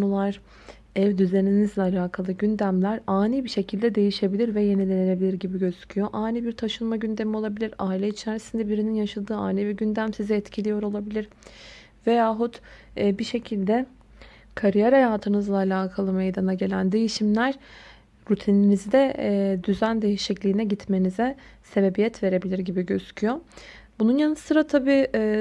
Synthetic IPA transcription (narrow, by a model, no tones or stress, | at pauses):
nulˠaɾ̥ | ɛvd̪yze̞ninizlʲɛalʲaːkʰalˠɯɟynd̪æmlʲæɾaːnibiʃe̞cʰilʲd̪ɛd̪e̞jiʃe̞bilʲiɾvɛje̞nilʲe̞nʲe̞ne̞bilʲiɾɟibiɟø̞z̥ycʰyjo̞ʔaːnibiɾt̪ʰaʃɯlˠmaɟynd̪e̞mio̞lˠabilʲiɾaːilʲɛit͡ʃʰæːɾisind̪ɛbiɾininjaʃad̪ɯːaːnʲibiɾɟynd̪æmsizɛɛt̪cʰilʲijo̞ɾo̞lˠabilʲiɾ̥ | vejaːɦut̪ː | biʃe̞cʰilʲd̪ɛ | kʰaɾijaɾhajaːt̪ʰɯnɯzlˠaːlʲaːkʰalˠɯme̞jd̪anaɟe̞lʲænd̪e̞jiʃimlʲæɾ̥ | ɾut̪ʰininizd̪ɛd̪yzænd̪e̞jiʃiclʲiːnɛɟit̪me̞nizɛse̞be̞bijɛt̪ve̞ɾe̞bilʲiɾɟibiɟøz̥y̥cʰyjo̞ | bununjanɯsɯɾat̪ʰabiː